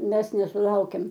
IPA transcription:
mʲɛs nʲɛsʊˈlˠɐʊkʲɛm

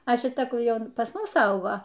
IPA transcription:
ɐ ʃʲɪˈtɐ ˈkʊr ˈjɛʊ ˈpɐs ˈmʊs ˈɐʊɡoː

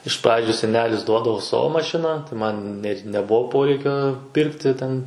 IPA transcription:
ɪʃ ˈprɑːd͡ʒʲʊ sʲɛˈnʲæːlʲɪs ˈduɔdɐʋoː ˈsɑːʋoː mɐˈʃʲɪnɑː tɐɪ ˈmɐn nʲɛt nʲɛˈbʊʋoː ˈpoːrʲɛɪkʲoː ˈpʲɪrktʲɪ ˈtʲɛn

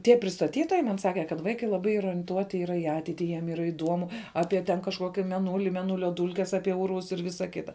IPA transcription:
ˈtʲiɛ pʲrʲɪstɐˈtʲiːtoːjɛɪ mɐn ˈsɑːkʲɛ kɐt ˈʋɐɪkɐɪ lˠɐˈbɐɪ ˈiːrɐ oːrʲiɛnˈtuɔtʲɪ ˈiːrɐ ɪ ˈɑːtʲɛɪtʲɪ jiɛm ˈiːrɐ ɪˈduɔmʊ ˈɑːpʲiɛ tʲɛn kɐʃˈkuɔkʲɪ mʲɛˈnuːlʲɪ mʲɛˈnuːlʲɛ ˈduːlʲkʲɛs ˈɑːpʲiɛ ˈuːrʋʊs ɪr ˈʋʲɪsɐ ˈkʲɪtɐ

